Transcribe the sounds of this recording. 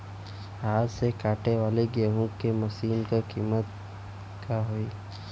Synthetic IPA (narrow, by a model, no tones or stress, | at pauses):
aːd͡ʒsekaːʈeʋaːleɡeːɦũkːemɐsiːnkakiːmət̪ | kaɦoiː